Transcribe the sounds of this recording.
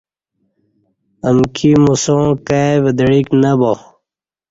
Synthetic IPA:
əmkʰimusõːkaʋəd̪ɽiknɐbo

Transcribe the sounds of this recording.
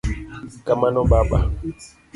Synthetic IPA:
kamanɔbaba̰

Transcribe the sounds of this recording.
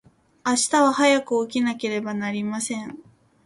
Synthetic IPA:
aɕi̥t̪aβahajakɯ̟ok̬ʲinake̞ɾe̞banaɾʲimasẽ̞ɴ

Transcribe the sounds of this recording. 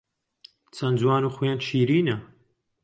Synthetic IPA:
t͡sʰɐnd͡zwaːnuːxujaːnt͡ʃʰiːɾiːnɐ

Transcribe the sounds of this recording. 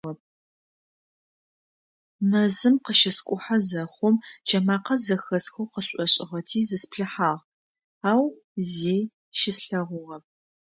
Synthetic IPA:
ɐp̚ | mɐzɨmqəʃɪskʷʼʊħazɐχʷʊmd͡ʒɐmaːqɐzɐxɐsxowqəɕʼɔɕʼɪʁɐtʰiːzɨspɬɨħaːʁ | aːw | ziː | ʃɪsɬɐʁʷʊʁɐp̚

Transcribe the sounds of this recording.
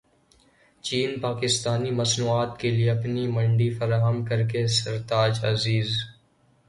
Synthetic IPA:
t͡ʃiːnpaːkɪst̪aːnimɐsnuːaːt̪kelieɐpnimɐ̃ɳɖifɐɾaːɦəmkɐɾkesɐɾt̪aːd͡ʒɐ̰ziːz

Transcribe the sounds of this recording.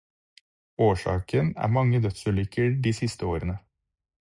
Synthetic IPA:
oːʂɑ̰ːkʰənæ̰ːɾmɑŋːəd̪œt̪sʉlʏkəɖiːsɪst̪əoːɾənə

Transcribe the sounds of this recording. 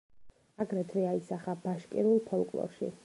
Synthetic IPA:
aɡɾɛt̪ʰvɛaisaχabaʃkʼḭɾulˠpʰɔlˠkʼlˠɔ̰ɾʃḭ

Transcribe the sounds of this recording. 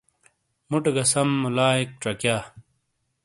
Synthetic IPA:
muʈeɡɐsɐmːulaːik̚ʈ͡ʂɐkjaː

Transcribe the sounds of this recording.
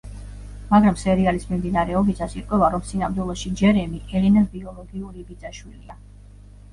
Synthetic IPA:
maɡɾamsɛɾialismimd̪inaɾɛɔbisʰasiɾqʼwɛvaɾɔmsinamd̪wɛlˠɔʃid͡ʒɛɾɛmiʔɛlɛnabiɔlˠɔɡiuɾibid̪zaʃwilia

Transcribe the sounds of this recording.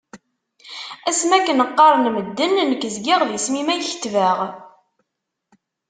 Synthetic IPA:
æsmækːənəqːɑɾˤnməd̪ːənnəkːəzɡiʁðiəsmimæjçə̥t̪ːvæʁ

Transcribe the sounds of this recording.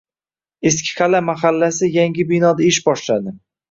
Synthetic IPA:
eskʲʰɪ̥qʰalamaχalːasɪjaŋɡʲɪbinɒd̪aɪʃbɒʃlad̪ɪ

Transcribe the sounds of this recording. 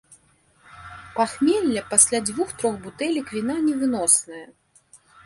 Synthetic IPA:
paxmʲɛlʲːɐpasʲlʲad͡zʲvuxt̪ɾɔxbut̪ɛlʲikvʲin̪anʲɛvɨnɔsnɐjɐ

